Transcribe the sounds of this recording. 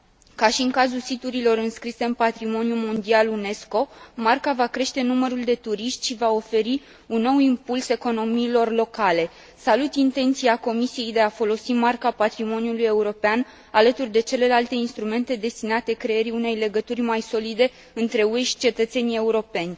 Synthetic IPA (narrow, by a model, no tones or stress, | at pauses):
kaʃiɨŋkazulsit̪uɾilo̞ɾɨnskɾise̞ɨnpat̪ɾimo̞njumo̞nd̪ialune̞sko̞markavakɾe̞ʃt̪e̞numəɾuld̪e̞t̪uɾiʃt̪ʲʃivao̞fe̞ɾi | unːo̞wimpulse̞ko̞no̞miːlo̞rlo̞kale̞ | salut̪int̪e̞nt̪siako̞misije̞jd̪e̞afo̞lo̞simarkapat̪ɾimo̞nʲjuluje̞uɾo̞pean | alət̪urʲd̪e̞t͡ʃe̞le̞lalt̪e̞inst̪ɾume̞nt̪e̞d̪e̞st̪inat̪e̞kɾe̞eɾiune̞jle̞ɡət̪urʲmajso̞lid̪e̞ | ɨnt̪ɾe̞uejʃi̥t͡ʃe̞t̪ət̪se̞nie̞uɾo̞pe̞nʲ